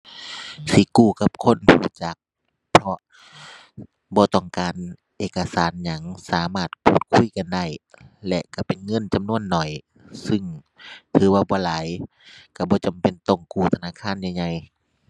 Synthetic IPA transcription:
si˨˦kuː˧˩ka˧˦p̚kʰo˧˥˨npʰuː˧˩˨t͡ɕa˨˦k̚ | pʰɔ˧ | bɔː˧˦t̪ɔ˧˩ŋkaː˨n | ʔeː˧˩kːa˧saː˨˦nɲa˨˦ŋsaː˨˦maː˧˩t̪̚pʰuː˧˨˩t̪̚kʰu˧˥˨jka˧nda˧˩jlɛ˧ka˧˩pe˨nŋɤ˧˥˨nt͡ɕa˨mnu˧˥˨ənːɔ˨˩j | sɯ˧˩ŋ | t̪ʰɯː˨˦waː˧˩bɔː˧˦laː˨˦j | ka˧˩bɔː˧˦t͡ɕa˨˩mpe˨nt̪ɔ˧˩ŋkuː˧˩t̪ʰa˧naː˧˥˨kʰaː˧˥˨nja˧jɲa˧˩j

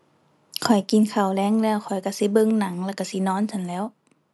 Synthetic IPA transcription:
kʰɔ˨˩jki˧˨nkʰa˨˩wlɛː˧˥˨ŋlɛː˧˨wkʰɔ˨˩jka˧˩si˧˦bɤ˧˨ŋna˨˦ŋlɛː˧˩wka˧˩si˧˦nɔː˧˥˨nsʰa˧˩nlɛː˧˥˨w

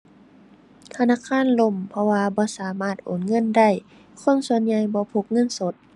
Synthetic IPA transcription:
t̪ʰa˧naː˧˥˨kʰaː˧˥˨nlo˧˩˨mpʰɔ˧waː˧bɔː˧˦saː˨˦maː˧˥˩t̪̚ʔoː˨˩˨nŋɤ˧˥˨nda˧˩j | kʰo˧˥˨nsu˧˦ənɲa˧jbɔː˧˦pʰo˧˦k̚ŋɤ˧˥˨nso˧˦t̪̚

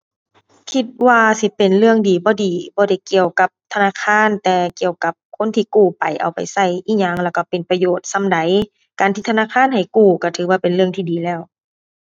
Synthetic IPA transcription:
kʰi˧t̪̚waː˧si˧˦pe˨˩nlɯ˥˧˨əŋdiː˨˦bɔː˧˦diː˨˩bɔː˧ɾa˧˩jki˨˧əwka˧˦p̚t̪ʰa˧naː˧˥˨kʰaː˧˥˨nt̪ɛː˧ki˨˧˨əwka˧˦p̚kʰo˧˥˨nt̪ʰiː˧˨kuː˧˩pa˨jʔa̰˨˩wpa˨jsa˧˩jʔiː˧˥˩ɲaː˧˥˩ŋlɛː˧˩wka˧˩pe˨npa˧joː˧˩t̪̚sa˧˥˨mda˨˦j | kaː˨niː˧t̪ʰnaː˧˨kʰaː˧˥˨nha˨˩jkuː˧˩ka˧˩t̪ʰɯː˨˦waː˧˩pe˨nlɯ˧əŋt̪ʰiː˧diː˨˩lɛː˧˩˨w

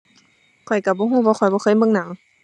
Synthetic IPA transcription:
kʰɔ˨˩jka˧˩bɔː˧˦ɦuː˧˥˩waː˧˦xʰɔ˨˩jbɔː˧xʰɤː˧˥˨jmɤ˧˨ŋna˨˦ŋ

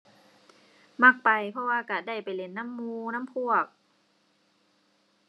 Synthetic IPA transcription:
ma˧˥˩k̚pa˨˩jpʰɔ˧waː˧ka˧˩da˧˩jpa˨jle˧˩˦nːa˧˥˨mːuː˧na˧˥˨mpʰu˧˩˨ɐk̚

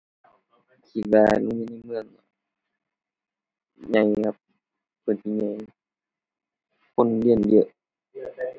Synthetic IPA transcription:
kʰi˧˩t̪̚waː˧lu˧˦ɲuː˧˨na˧˨jmɯ˧˨əŋa˧˦ | ɲa˧˦jka˧p̚ | pʰɯ˧˩˨nsi˧˨ɲa˧˩˦j | kʰo˧˥˨nli˧˩əndi˧˨ʔ

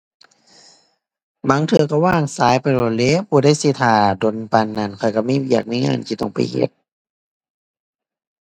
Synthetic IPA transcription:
ba˨˦ŋt̪ʰɯ˧ɐka˧˩waː˧˥˩ŋsaː˨˦jpjlo˧˩t̪̚le˧˥˨pʰuː˧˩˦da˥˨jsi˧˦t̪ʰaː˧˩do˧˨npa˧nːa˧˩˨nkʰɔ˧˩jka˧˩miː˧˥˨ji˧˨k̚miː˧˥˨ŋa̰ː˧˥˩nt̪ʰi˧t̪ɔ̰˧˩ŋpa̰˨jhḛ˧˦t̪̚

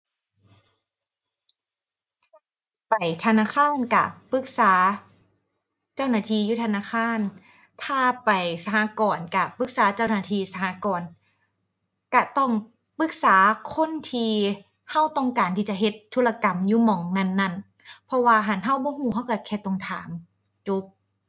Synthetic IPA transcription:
pa˨˩jt̪ʰa˧naː˧˥˨kʰaː˥˨nka̰˧˩pɯ˧˥k̚saː˩˦ | t͡ɕa˥˩wnaː˧˩t̪ʰiː˧˨juː˧˥˩t̪ʰa˧naː˧˥˨kʰaː˧˥˩n | t̪ʰaː˧˥˧pa˨˩jsa˧haː˧˦kɔː˨˩nka˧˩pɯ˧˦˥k̚saː˨˦t͡ɕa˥˩waː˧˩t̪ʰiː˧sa˧haː˨˧˥kɔː˨˩n | ka˧˩t̪ɔ˥˩ŋ | pɯ˧˦˥k̚saː˩˦kʰo˧˥˨nt̪ʰiː˧ | ha˥˩wt̪ɔ˥˩ŋkaː˨˩nt̪ʰiː˧˩t͡ɕa˨ɦe˧˥t̪ʰːuː˧˥la˧ka˨˩mjuː˧˥˨mɔː˨˦ŋna˧˥˨nːa˧˩˨n | pʰɔ˧˥waː˧ɦa˨˦nɦa˧˥˩wbɔː˧˦huː˧˩˨ha˧˥˩wka˧˩kʰɛː˧˩t̪o˧˨ŋt̪ʰaː˩˦m | t͡ɕu˦˥p̚

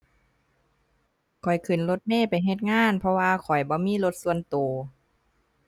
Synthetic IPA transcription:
kʰɔ˨˩jkʰɯ˨˩nlo˧t̪̚neː˧˥˨pa˨˩jɦe˧t̪̚ŋaː˧˥˨npʰɔ˧waː˧kʰɔ˨˩jbɔː˧˦miː˧˥˨lo˧˦t̪̚su˧ənt̪oː˨˩

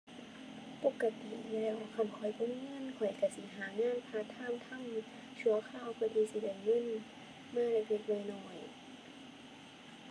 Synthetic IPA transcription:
po˧˦kːa˧t̪ḭ˨˧lɛː˧˩wa˧kʰa˧˨mkʰɔ˨˧˩jbo˧˥˦mŋɤ˧˥˨nkʰɔ˨˩jka˧˩si˧˦ɦaː˨˦ŋaː˧˥˨npʰaː˧˨t̪ʰaː˧˥˨mt̪ʰa˧˥˨m | t͡ɕʰu˧˨ɐkʰaː˧˩˨wkʰɔ˧˩jt̪ʰiː˧˨si˧˩da˧˩˨jŋɤ˧˥˨n | maː˧˥˨lɛ˧˩e˧t̪̚nɔ˧˨jnɔː˧˩j

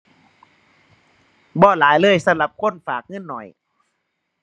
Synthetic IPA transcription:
bɔː˧˩˨laː˨˦jlɤː˧˥˨jsa˧˥mla˧˦p̚kʰo˧˥˨nfaː˨˩k̚ŋɤ˧˥˨nːɔ˨˩j

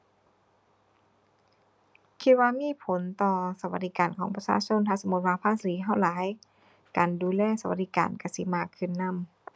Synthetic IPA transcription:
kʰi˧t̪̚waː˧miː˧˥˨pʰo˨˦nt̪ɔː˧sa˧wa˧˩t̚diː˧kaː˨nkʰɔː˨˦ŋpa˧saː˧˥˨sʰo˧˥˨nt̪ʰaː˧˨so˧˦mu˧t̪̚waː˧pʰaː˧˥˨siː˨˦ɦa˧˩wlaː˨˦j | kaː˨˩nduː˨lɛː˧˥˨sa˧wa˧˦t̚diː˧ka̰ː˨˩nka˧˩si˧˦maː˧˩kʰːɯ˧˩˨nːa˧˥˨m

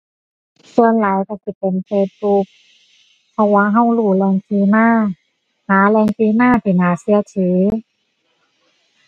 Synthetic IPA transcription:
su˧ənlaː˨˦jka˧˩ki˧˩t̪̚pe˨nfeː˧t̪̚bu˧k̚ | pʰɔ˧waː˧˨ɦa˧˥˩wluː˧˩lɛː˧ŋtiː˧maː˧˥˩ | haː˨˦lɛː˧ŋtiː˧maː˧˥˨t̪ʰiː˧˩naː˨˩˦si˧˦ət͡ɕʰiː˨˦

